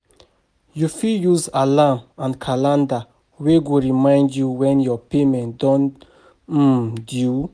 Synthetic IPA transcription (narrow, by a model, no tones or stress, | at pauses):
jufijuzalamãnkʰalãnda | weɡoɹimãj̃ndjuwɛ̃njɔpemɛ̃ntdɔ̃n̩ | dju